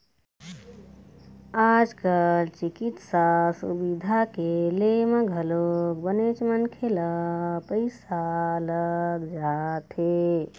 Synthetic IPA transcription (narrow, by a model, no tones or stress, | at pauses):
ad͡ʒkəlt͡ʃikit̪sasṵbid̪ʱakeleməɡʱəlokbənet͡ʃmənkʰeləpəɪsaləɡd͡ʒat̪ʰe